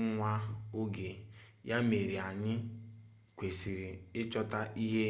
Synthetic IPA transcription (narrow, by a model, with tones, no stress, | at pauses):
ŋʷa˦o˦ɡe˨ja˦me˨ɾi˨a˨ɲɪ˦ | kʷe˨si˨ɾi˨ɪ˦t͡ʃɔ˦ta˦i˦ɦe˦